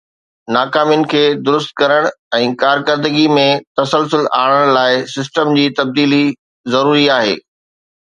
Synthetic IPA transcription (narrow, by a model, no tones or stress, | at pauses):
naːkaːmijʊnɪ̆kʰeːd̪ʊɾʊst̪̚kɐɾəɽ̃ɛ̃ːkaːɾkəɾd̪əɡimẽt̪ɐsəlsʊla̰ːɽəɽ̃laːɪsɪs̬ʈəmd͡ʑiːt̪ɐb̚d̪iːli | zɐɾuːɾiaːɦḛː